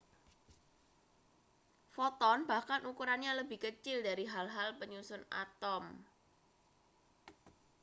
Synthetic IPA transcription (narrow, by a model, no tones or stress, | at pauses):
fɔt̪ɔnb̥ahkanukuɾanɲaləbɪhkət͡ʃɪldaɾiɦalɦalpəɲusʊna̰t̪ɔm